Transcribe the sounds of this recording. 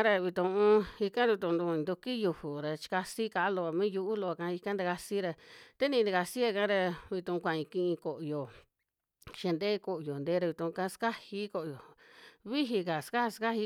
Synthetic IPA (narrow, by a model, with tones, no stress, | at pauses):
a˦ɾa˧βi˧t̪ũ˧ũ˦i˧kã˦d̪u˧t̪ũ˧nd̪u˧nd̪u˧ki˦ju˧hu˨ɾa˧t͡ʃi̥˧ka˧si˦ka˧˦lo˧a˨mĩ˦ju˧u˦lo˧a˧kã˧i˧kã˦nd̪a˧ka˧si˦ɾa˧t̪e˦nĩ˧d̪a˧ka˧si˦a˧kã˦ɾa˧βi˧t̪ũ˧kʷã˨ĩ˧kĩ˧ʔĩ˧ko˨ʔjo˨ | ʃe˧nd̪e˦ko˨ʔjo˨nd̪e˧˦ɾa˧βi˧t̪ũ˧kã˧˦ska˦hi˦ko˧ʔjo˨βi˦ɦi˧ka˨ska˦hska˦hi˧˦